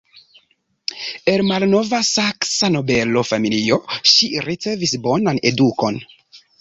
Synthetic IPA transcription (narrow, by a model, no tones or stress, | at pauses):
e̞lmalno̞vasaksano̞be̞lo̞familio̞ʃiɾit͡se̞visbo̞nane̞duko̞n